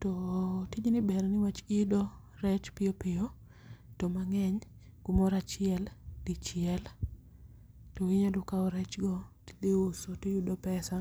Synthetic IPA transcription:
tɔtid͡ʒnɪbɛɾnɪwat͡ʃɪdɔ | ɾɛt͡ʃpɪopɪɔ | tɔmaŋɛɲ | ɡ̥umɔɾat͡ʃɪɛld̥ɪt͡ʃɪɛl | toɪɲadʊkaɔɾɛt͡ʃɡɔtd̪eosotejudɔpɛsa

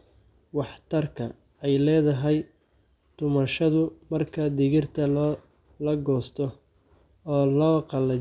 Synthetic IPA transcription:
wɑħt̪ʰɐrkʰɐ | ɛjlɛːðɐɦɛj | d̪̥ʊmɐʃɐðʊmɐrkʰɐd̪ɪɣɪrt̪ʰɐ | lɐɡɔːst̪ʰɔː | lɔːqɑlɐ

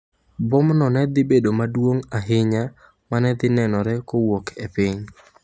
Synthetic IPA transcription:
bʊmnɔnɛd̪ɪbedomadwoŋaɦɪɲa | manɛd̪ɪnɛnɔɾɛkowokʰepɪɲ

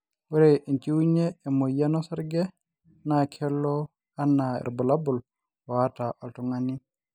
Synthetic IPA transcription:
waɾɛʔint͡ʃiwuɲɛːmɔjanɔsaɾɡɛ | nakʰɛlːɔ | anːaɛ̰ɾbɔlabul | wataʔaltɔŋani

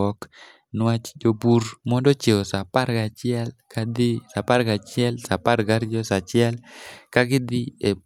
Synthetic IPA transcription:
ɔk | nwat͡ʃd͡ʒoburmɔndɔt͡ʃeosapaɾɡat͡ʃɪɛlkad̪ɪsapaɾɡat͡ʃɪɛlsapaɾɡaɾd͡ʒɔsat͡ʃɪɛlkaɡɪd̪ɪe

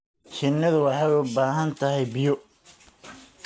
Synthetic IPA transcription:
t͡ʃɪnːɐðʊwɑħɑjʊbaːɦɐnt̪ʰɐɦɛjbɪjɔ

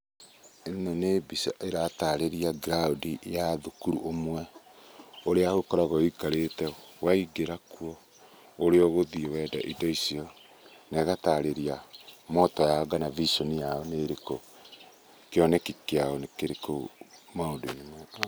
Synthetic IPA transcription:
enɔnebisaʔeɾataɾeɾiaɡɾaodijaðukuɾuʔomwɛ | oɾeaɣokɔɾaɣɔikaɾetɛwaiɡeɾakuɔ | oɾeɔɣoðiewɛːdaʔidɔisiɔ | nɛɣataɾeɾiamɔtɔjaɔɡanavisɔnijaɔneɾeko | keɔnɛkikeaɔnekeɾekomaodunimwɛ

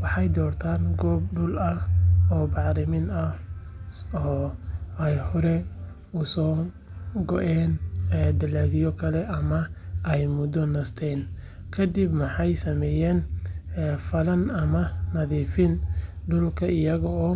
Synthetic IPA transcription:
wɑħɑjd̪ɔːrt̪ʰaːnɡɔːb̚ɖʊlɐhɔːbɑʕɾɪmɪnɐ | ɔːɛjhɔɾɛ | ʊsɔː | ɡɔʔɛːnɛd̪ɐlaːɣɪjɔkʰɐlɛʔɐmɐʔɛjmʊd̪ɔnɐst̪ʰɛːn | kʰɐd̪ibmɐħɑjsɐmɛːjɛːnː | fɐlɐnɐmɐnɐðiːfɪnɖʊlkʰɐɪjɐɣɔɔː

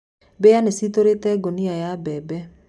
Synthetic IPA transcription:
bejanesitoɾetɛɡoniajabɛbɛ

